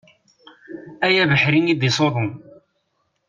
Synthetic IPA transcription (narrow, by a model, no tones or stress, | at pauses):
æjæbəħɾinid̪isˤoðˤo